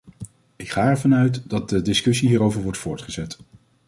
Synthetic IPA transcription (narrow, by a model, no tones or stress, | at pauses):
ɪkχaːɛɹvɑnœɥtdɑt̚dədɪskɵsiɦiːɾowvəɹʋɔɹtfʊːɹtχəzɛt